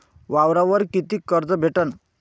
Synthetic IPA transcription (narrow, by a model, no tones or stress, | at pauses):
ʋawɾaʋəɾkit̪iːkəɾd͡zəbʱeʈən